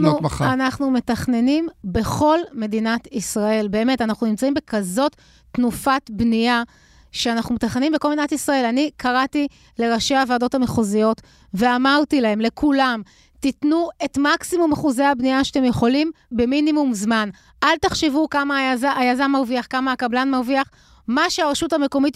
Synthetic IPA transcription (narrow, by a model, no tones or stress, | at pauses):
nuanaχnume̞taχne̞nimbe̞χo̞lme̞dinatisʁae̞lbeːme̞tanaχnunimt͡saimbe̞kazo̞tː | nufatbnia | ʃeanaχnumet̪aχne̞nimbekolmedinatisʁae̞lanikʰaʁati | le̞ʁaʃeavado̞thameχuzijo̞t | ve̞amaʁtilahe̞mle̞kulam | titnue̞tmaksimumaχuzehabniaʃatemje̞χo̞lim | beminimumzman | ʔaltaχʃevukamaazaajazanmaʁviaχkamaːkablanmaʁviaχ | maʃeaʁeʃuthame̞ko̞mit